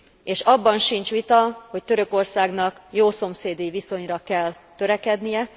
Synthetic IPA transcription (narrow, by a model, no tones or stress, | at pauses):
eːʃɒbːɒnʃint͡ʃʋit̪ɒho̞ct̪øɾø̞ko̞rsaːɡnɒkjoːso̞mseːd̪iviso̞ɲrɒkɛl | t̪ø̞ɾɛkɛd̪nijɛ